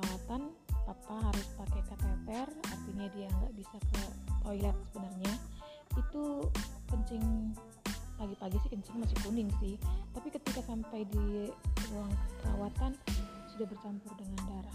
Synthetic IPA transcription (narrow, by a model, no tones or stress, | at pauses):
awat̪an | p̪at̪aɦaɾʊspakajkak̪at̪ɛra̰rt̪iɲadiaəŋɡa̰ʔbisakət̪ojlat̪̚səbənarɲa | it̪ukəɲt͡ʃɪŋ | paɡipaɡisɪhkəɲt͡ʃɪŋmasɪŋbonɪŋsɪht̪apikət̪ikasampajdiuwaŋkəla̰wat̪ansudahbərt͡ʃampʊrdəŋandaɾa